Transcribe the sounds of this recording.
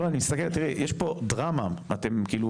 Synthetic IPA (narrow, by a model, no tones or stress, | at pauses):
aanimist̪akelt̪iʁɛjeʃpo̞dʁamaat̪e̞mkiːlu